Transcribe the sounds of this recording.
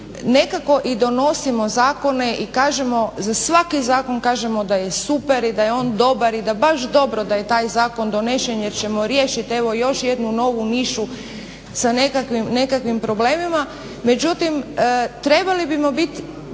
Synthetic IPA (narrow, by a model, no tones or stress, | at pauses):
ne̞kako̞ʔid̪o̞no̞simo̞zaːko̞ne̞ʔikaːʒemo̞zasʋakizaːko̞nkaːʒe̞mo̞d̪aje̞supeɾid̪ajeo̞ːnd̪o̞baɾid̪abaʃd̪o̞bɾo̞d̪aje̞t̪aːjzaːko̞nd̪one̞ʃenjeɾt͡ɕe̞mo̞ɾje̞ːʃit̪e̞ʋo̞jo̞ʃje̞d̪nuno̞ːʋuniʃu | sane̞kakʋimne̞kakʋimpɾo̞ble̞ːmima | me̞d͡ʑut̪imt̪ɾe̞balibimo̞bit̪